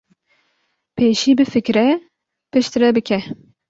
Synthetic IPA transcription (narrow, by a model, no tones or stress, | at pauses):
pʰeːʃiːbɨfɨkɾɛ | pʰɨʃt̪ɨɾɛbɨkʰɛ